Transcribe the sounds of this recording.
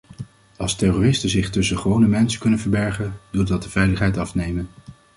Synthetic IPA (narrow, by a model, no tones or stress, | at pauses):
ɑlˠstɛroːrɪstənzɪχtɵsəχʋownəmɛnsəkɵnənvəɹbɛɹχəndudɑt̚dəvɛjləχɦɛjtɑfnejmən